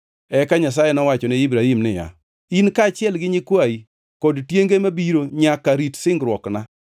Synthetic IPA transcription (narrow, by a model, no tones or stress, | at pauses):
ɛkaɲas̬ajɛnɔwat͡ʃɔneibɾaimnɪ̰ja̰ | inkaːt͡ʃjɛlɡɪɲɪkwai | koditjeŋɡemabiɾoɲakaɾitsɪŋɡɾwɔkna